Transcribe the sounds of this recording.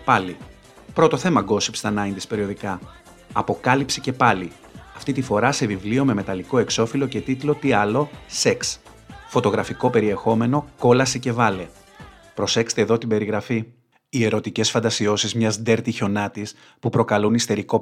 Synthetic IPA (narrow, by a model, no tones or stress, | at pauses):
pɐli | pɾo̞t̪o̞θe̞mɐɡo̞sipst̪ɐnɐint̪ispe̞ɾio̞ðikɐ | ɐpo̞kɐlipsice̞pɐli | ɐft̪it̪ifo̞ɾɐse̞vivlio̞me̞me̞t̪ɐliko̞e̞kso̞filo̞ce̞t̪it̪lo̞t̪iɐlo̞seks | fo̞t̪o̞ɣɾɐfiko̞pe̞ɾie̞xo̞me̞no̞ko̞lɐsice̞vɐle̞ | pɾo̞se̞kse̥t̪eðo̞t̪ibe̞ɾiɣɾɐfi | ie̞ɾo̞t̪ice̞sfɐnd̪ɐsio̞sizmɲɐzd̪e̞ɾt̪iço̞nɐt̪is | pupɾo̞kɐlunist̪e̞ɾiko̞